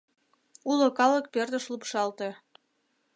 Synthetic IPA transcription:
ulokɑlək̚perd̪ə̆ʃlupʃɑlt̪e

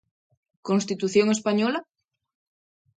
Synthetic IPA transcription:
kõnst̪it̪uθjoŋespaɲola

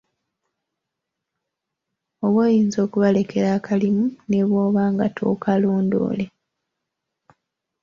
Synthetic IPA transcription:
o̞βweːjiːnzo̞ːkuβale̞ke̞ɾaːkʰalimune̞βwo̞ːβaːŋɡatʰo̞̰ːkaloːndo̞̰ːle̞

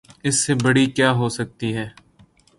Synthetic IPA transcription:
ɪsːeːbəɽiːkjaːɦoːsək̚t̪iːɦɛː

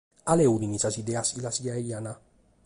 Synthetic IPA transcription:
alɛud̪inisasid̪ɛasilasiaiana

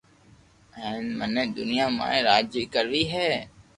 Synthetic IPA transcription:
ɛːnməneːd̪ʊnɪjaːmã̰ːẽːɾaːd͡ʒʋiːkəɾʋiːɦɛː

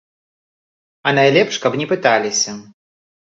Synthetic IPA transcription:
ɐnajlʲɛpʂkɐpnʲɛpɨt̪alʲisʲɐ

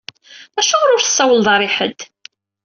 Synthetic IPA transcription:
æʃʊʁɾʊɾθə̥sˤːɑwəlðˤɑɾˤiħə̰d̪

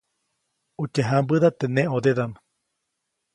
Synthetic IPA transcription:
ut͡ʃeɦambɨðat̪enẽod̪eðama

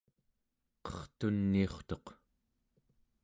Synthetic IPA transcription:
qʌ̥χt̪unːioχt̪o̞q

